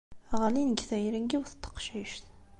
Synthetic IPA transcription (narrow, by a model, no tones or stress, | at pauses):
ʁlinəɡθæjɾənɡiwθə̥t̪ʰːə̥qʃiʃθ